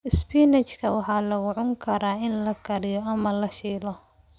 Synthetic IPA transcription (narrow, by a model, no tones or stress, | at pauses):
ɪspiːnɛt͡ʃkʰɐwɑħɑːlɐɣʊʕʊŋkʰɐɾaːɪnlɐɡʰɐɾɪjɔɐmɐlɐʃiːlɔ